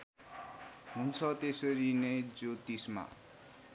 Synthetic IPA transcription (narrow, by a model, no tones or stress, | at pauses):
ɦunt͡sʰʌt̪esʌɾined͡zot̪isma̰